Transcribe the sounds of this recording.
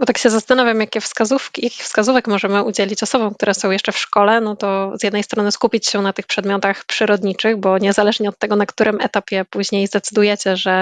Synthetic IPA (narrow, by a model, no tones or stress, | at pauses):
bɔt̪akɕɛzast̪anɔvʲjamjakʲɛfskazufkʲijakʲi̥xfskazuvɛkmɔʐɛmɘʔud͡ʑɛlʲit͡ɕɔsɔbɔ̃w̃kt̪uɾɛsɔ̃w̃jɛʂt͡ʂɛfʂkɔlɛnɔt̪ɔz̥jɛd̪nɛjst̪ɾɔnɘskupʲit͡ɕɕɛnat̪ɘxpʂɛd̪mjɔt̪axpʂɘɾɔd̪ɲit͡ʂɘɣbɔɲɛzalɛʐɲɛɔt̪ːɛɡɔnakt̪uɾʔɘmɛt̪apʲjɛpuʑɲejzd̪ɛt̪sɘd̪ujɛt͡ɕɛʐɛ